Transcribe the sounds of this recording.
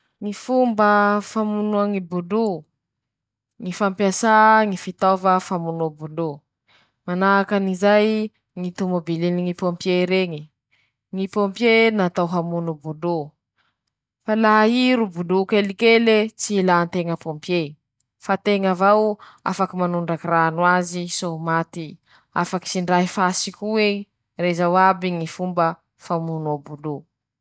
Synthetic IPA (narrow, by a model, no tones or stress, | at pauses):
ŋifumbəfamunuaŋibulu | ŋifampjasaŋifit̪ovəfamunuabulu | manaakanizaj | ŋit̪umobiliniŋipompjeɾeŋi | ŋipompjenat̪awɦamunubulu | falaɦiɾubulukelikelet͡silant̪eŋəpompje | fat̪eŋavaw | a̰fakimanuɳɖ͡ʐakiranwazisomat̪i | a̰faki̥siɳɖ͡ʐaɦifasikʲue | rezawabiŋifumbə | famunobulu